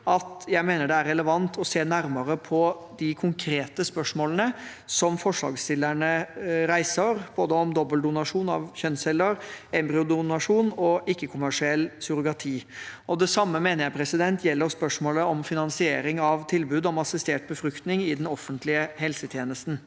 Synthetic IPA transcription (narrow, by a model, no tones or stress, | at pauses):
ɑt̪jæɪmeːnəɖɛæɾɛləʋɑnt̪ʰɔseːnæɾməɾəpʰɔd̪ɪkʰʊŋkʰɾeːt̪əspœʂmoːlənəsɔmfɔʂlɑ̰ːɡst̪ɪlːəɳəɾæɪsəɾb̥oːd̪əɔmd̪ɔbːəld̪ʊnɑʂuːnɑ̰ʋçœnsɛlːəɾɛmbɾɪʊd̪ʊnɑʂuːnɔʔɪkːəkʰʊmæʂɪɛlːsʊɾʊɡɑt̪ʰiːʔɔd̪ɛsɑmːəmeːnəjæɪpʰɾɛsɪd̪ɛnt̪ʰjɛlːəɾspœʂmoːləɔmfɪnɑnsɪeːɾɪŋɑʋt̪ʰɪlbʉːd̪ɔmɑsɪst̪eːʈ̚bəfɾʉkt̪nɪŋɪd̪ɛnɔfənt̪lɪəɦɛlsət̪ʰjeːnəst̪n̩